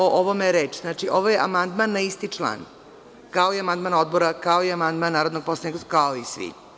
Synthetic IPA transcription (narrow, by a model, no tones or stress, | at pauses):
oʔoʋomeɾeːt͡ʃznaːt͡ʃiʔoʋojeʔamand̪manːaist̪it͡ʂlˠa̰ːn | kaoiamand̪mano̞d̪̚boɾakaoiamand̪manːaːɾod̪no̞ɡ̚poslˠanikakaoisʋḭ